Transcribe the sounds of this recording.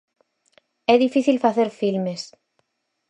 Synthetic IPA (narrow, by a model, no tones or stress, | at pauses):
ɛðifiθilfaθeɾfilmes